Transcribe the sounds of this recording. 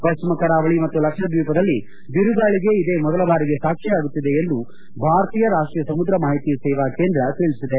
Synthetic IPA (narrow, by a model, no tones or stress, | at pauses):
pɐʃt͡ʃimɐkɐɾaːʋɐɭimɐt̪ːulɐkʂɐd̪juːpɐd̪ɐlːi | ʋiɾud̪aːɭiɡe̞id̪e̞ːmɔd̪ɐlɐʋaːɾiɡe̞saːkʂɛjaːɡut̪ːid̪e̞ːnd̪u | bʱaːɾɐt̪iːjɐɾaːʂʈɾijɐsɐmud̪ɾɐmaːɦit̪iːsɛːʋaːkeːnd̪ɾɐt̪eɭisid̪e